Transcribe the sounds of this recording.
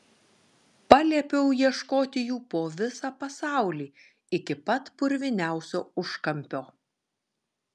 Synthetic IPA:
pɑːlʲiɛpʲɛʊjiɛʃkoːt̪ʲɪjuːpoːʋʲɪsɑːpɐsɑˑʊlʲiː | ɪkʲɪpɐt̪pʊɾʲʋʲɪnʲæˑʊsʲo̰ːʊʃkɐmʲpʲoː

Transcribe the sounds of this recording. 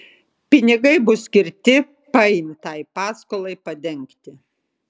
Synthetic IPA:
pʲɪnʲɪɡɐɪbʊsʲkʲɪɾʲt̪ʲɪ | pɐɪnʲt̪ɐɪpɑːskoːlˠɐɪpɐd̪ʲɛŋʲkt̪ʲɪ

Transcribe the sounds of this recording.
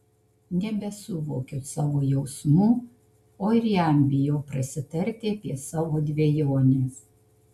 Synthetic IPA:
nʲɛbʲɛsʊʋoːkʲoːsɑːʋoːjɛʊsmuː | oːɪɾjæmʲbʲɪjoːpɾɐsʲɪt̪ɐɾʲt̪ʲeːɐpʲiɛsɑːʋoːd̪ʲʋʲɛjoːnʲeː

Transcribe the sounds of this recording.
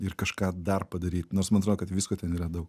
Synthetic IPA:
ɪrkɐʃkɑːd̪ɐrpɐd̪ɐɾʲiːt̪noːrsmɐnɐt̪ɾoːd̪oːkɐt̪ʋʲiskoːt̪ʲɛniːɾɐd̪ɐʊk

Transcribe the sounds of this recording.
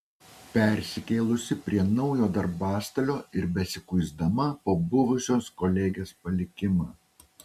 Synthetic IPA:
pʲɛˑɾʲsʲɪkʲeːlˠʊsʲɪpʲɾʲiɛnɒʊjoːd̪ɐɾbɑːst̪ɐlʲoːɪɾbʲɛsʲɪkʊɪzd̪ɐmɐpoːbʊʋʊsʲoːskɔːlʲɛːɡʲeːspɐlʲɪkʲɪmɑː

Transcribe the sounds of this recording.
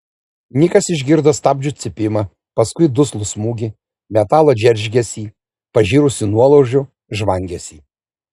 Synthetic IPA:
nʲɪkɐsɪʒʲɡʲɪɾd̪ɐst̪ɑːbʲd͡ʒʲʊt̪sʲɪpʲɪmɐ | pɐskʊɪd̪ʊslˠʊsmuːɡʲɪ | mʲɛt̪ɑːlˠɐd͡ʒʲɛɾʲʒʲɡʲɛsʲiː | pɐʒʲiːɾʊsʲɪnuɔlˠoʊʒʲʊ | ʒʋɐŋʲɡʲɛsʲiː

